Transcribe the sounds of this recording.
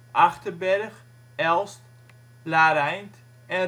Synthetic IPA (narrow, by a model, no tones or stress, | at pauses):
ʔaxtərbɛɾəχ | ɛlˠst | laːɾɛjnt | ɛn